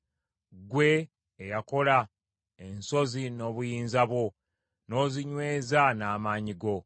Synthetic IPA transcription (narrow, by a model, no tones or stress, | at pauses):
ɡwe̞ | ejako̞la | e̞nso̞zino̞ːβujiːnzaβwo̞ | no̞ːziɲwe̞ːzanaːmaːɲiɡo̞